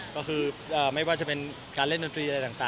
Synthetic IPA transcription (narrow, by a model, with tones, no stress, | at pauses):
kɔː˥˩kʰɯː˧ʔəː˨˩ma˥˩jwaː˥˩t͡ɕa˨˩pe˧n | kaː˧le˥˩ndo˧nt̪ʰɾiː˧a˧ɾa˧jt̪aː˨˩ŋt̪aː˨˩